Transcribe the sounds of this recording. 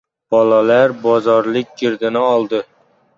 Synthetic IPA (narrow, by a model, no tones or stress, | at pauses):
b̥ɒlalaɾbɒzɒɾlɪk̚ʲɡʲɪɾd̪ɪnɪɒlˠd̪ɪ